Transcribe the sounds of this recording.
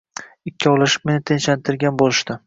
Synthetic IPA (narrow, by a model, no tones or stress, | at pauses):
ɪkʲʰːɪɒlˠɪʃɪ̥p̚me̞nɪt̪ʰent͡ʃlant̪ʰɪɾɡʲanbolˠɪʃd̪ɪ